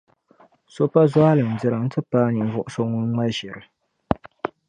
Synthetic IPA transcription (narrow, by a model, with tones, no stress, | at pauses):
so˦pa˦za˦ha˦lɨ˨m̩˨dɪ˨ɾɨ˨n̩˦tɨ˦paː˦ni˨vʊ˦˨ʔʊ˦so˦ŋʊ˦nŋ͡ma˦ʒɪ˨ɾɨ˨